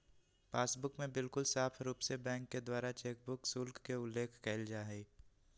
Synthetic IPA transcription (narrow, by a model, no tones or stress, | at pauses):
paːsbʊkmẽbɪlkʊlsaːpʰɾuːpsebɛ̃ːŋkːed̪waːɾat͡ʃeːk̚bʊksʊlkːeʊlːeːkʰkɛɪld͡ʒaːɦɛ